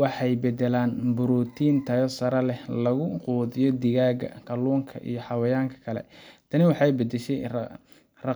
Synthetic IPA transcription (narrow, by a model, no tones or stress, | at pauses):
wɑħɑjbɛd̪ɛlaːnbʊɾuːt̪ʰiːnt̪ʰɐjɔsɐɾɐlɛhlɐɣʊquːðɪjɔd̪ɪɣaːɣɐ̰kʰɐluːŋkʰɐ̰ʔḭjɞħɑwɐjaːŋkʰɐ̥kʰɐlɛ̰t̪ʰɐnɪwɑħɑjbɐd̪ɛʃɛjr | rɑ